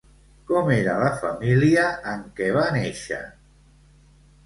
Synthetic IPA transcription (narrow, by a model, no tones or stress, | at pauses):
kɔmeɾələfəmiliəːŋkɛβaneʃə̰